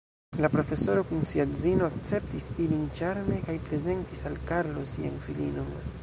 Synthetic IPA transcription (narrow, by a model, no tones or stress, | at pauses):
lapɾo̞fe̞so̞ɾo̞kunsiazino̞akt͡se̞ptisilint͡ʃaɾme̞kajpɾe̞ze̞ntisalkaɾlo̞sianfilino̞n